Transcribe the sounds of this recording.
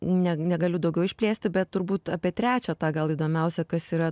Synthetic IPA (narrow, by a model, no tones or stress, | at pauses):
nʲɛnʲɛɡɐlʲʊd̪ɒʊɡʲɛʊɪʃʲpʲlʲeːsʲt̪ʲɪbʲɛt̪tʊɾbuːt̪ɑːpʲiɛt̪ʲɾʲæːt͡ʃʲɛːt̪ɑːɡɐlˠiːd̪oːmʲɛʊsʲɛkɐsiːɾɐ